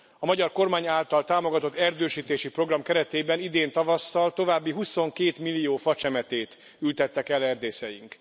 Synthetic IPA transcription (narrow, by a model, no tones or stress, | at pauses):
ɒmɒɟɒrko̞rmaːɲaːlt̪ɒlt̪aːmo̞ɡɒt̪o̞t̪ːɛrd̪øːʃiːt̪eːʃipro̞ɡrɒmkɛɾɛt̪eːbɛnid̪eːnt̪ɒvɒsːɒlt̪o̞vaːbːiɦuso̞ŋkeːt̪milːijoːfɒt͡ʃɛmɛt̪eːt̪ | ylt̪ɛt̪ːɛkɛlɛrd̪eːsɛjḭŋk